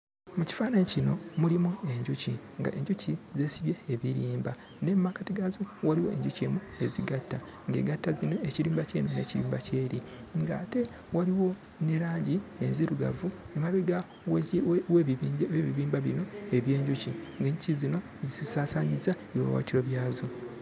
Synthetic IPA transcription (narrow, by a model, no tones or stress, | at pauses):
muci̥faːnaɲcino̞mulimue̞ɲɟuci | ŋɡa̰ʔe̞ɲɟucizesiβjeːβiɾiːmba | nemːakatiɡazowaɾiwoe̞̰ɲɟucemu | e̞ziɡatːa | ŋɡe̞̰ɡatːazinoeciɾiːmbaceːmune̞̰ciɾḭːmbace̞ːɾi | ŋɡa̰ːte̞ | waɾiwo̞ | neɾaːɲɟienziɾuɡa̰vu | emaβiɡa | wweweβiβiːmbaβino̞e̞βje̞ːɲɟuciŋɡeɲɟucizino̞ | zisaːsaɲizaewa̰wa̰tiɾo̞βjaːzo